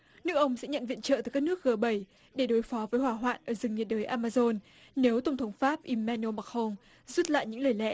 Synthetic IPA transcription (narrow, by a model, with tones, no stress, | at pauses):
nɨ˦˥əkʔə˧wŋ͡msɛ̰˧˥ɲə̰˧˨nvḭ˧˨ənt͡ɕə̰ː˧˨t̪ːka˦˥nɨ˦˥ək̚ɣəː˧˩ɓə˧˩j | ɗe˧˩ɗo˨˦jfɔ˨˦vəː˨˦jhwaː˧˩ɦwa̰ː˧˨nʔəː˧˩zɨ˨˩ŋɲi˨˩t̚ɗəː˨˦jʔaː˧maː˧zo˧n | ne˨˦wt̪ə˧˩wŋ͡mt̪ʰə˨˦wŋ͡mfaː˦˥p̚ʔi˧mːɛ˧no˧ma˨˩k̚ho˧n | zu˦˥t̚la̰ː˧˨jɲɨ̰˧˥ŋləː˨˩jlɛ̰˧˥